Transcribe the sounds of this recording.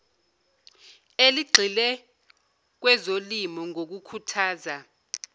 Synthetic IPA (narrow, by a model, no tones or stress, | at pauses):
eliɡ͡ǃʱilɛ | k̬wɛzolimɔŋok̬ukʰutʰaːza